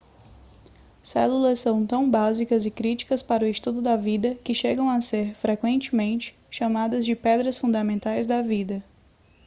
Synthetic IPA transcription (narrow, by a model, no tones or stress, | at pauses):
sɛ̰lulɐssɐ̃w̃t̪ɐ̃w̃bazikɐzɪkɾit͡ʃi̥kɐspaɾʊɪʃt̪ud̪ʊd̪ɐvid̪ɐkɪʃeɡɐ̃w̃aseɾfɾekwẽnt͡ʃɪmẽnt͡ʃɪ̥ | ʃamad̪ɐzd͡ʒɪpɛd̪ɾɐsfũd̪ɐmẽnt̪ajzd̪ɐvid̪ɐ